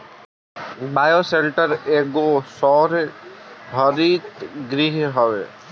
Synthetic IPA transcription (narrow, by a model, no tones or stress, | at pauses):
majoselʈəɾeɡosɔɾ | bʱɔɾit̪ɡɾiɦɦɔbḛ